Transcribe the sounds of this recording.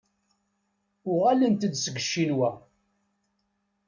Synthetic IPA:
ʊʁælənt̪əd̪səɡəʃːinwæ

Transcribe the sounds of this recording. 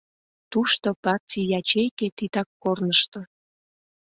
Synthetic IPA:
t̪uʃt̪opɑrtʲijɑt͡ɕejket̪it̪ɑkːornəʃt̪ŏ

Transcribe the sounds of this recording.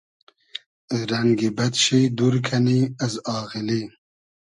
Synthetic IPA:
ɾɐŋɡibɐt̪ʃed̪uɾkʰɐniɐzɑːɣili

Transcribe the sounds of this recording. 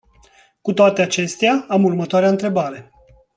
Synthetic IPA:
kut̪oat̪eat͡ʃe̞st̪eaamurmət̪oaɾeaɨnt̪ɾe̞baɾe̞

